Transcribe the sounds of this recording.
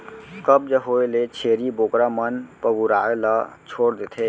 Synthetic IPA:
kəb̚d͡ʒəɦoːelet͡ʃʰeːɾiboːkɾamənpəɡuɾa̰ːelət͡ʃʰoːɽd̪et̪ʰe

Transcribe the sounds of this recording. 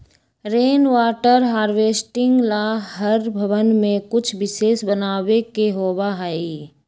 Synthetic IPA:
ɾeːnʋaːʈəɾɦaːɾʋeːsʈɪ̃ŋɡlaːɦəɾbʱəʋənmẽkʊt͡ʃʰbɪseːsbənaːwekeɦoːbaɦai

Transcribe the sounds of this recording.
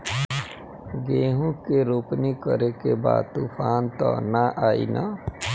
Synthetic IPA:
ɡeːɦũkeɾoːpnikəɾekeba̰ːd̪̚t̪uːpʰaːnt̪ɔ̰naʔaːḭna̰

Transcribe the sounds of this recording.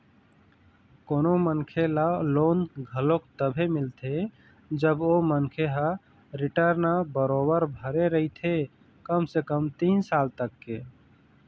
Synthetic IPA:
konomənkʰelalonɡʱəlokt̪əbʱemilt̪ʰe | d͡ʒəbomənkʰeɦa | ɾiʈəɾnabəɾobəɾbʱəɾeɾəɦit̪ʰe | kəmsekəmt̪insalt̪əkːe

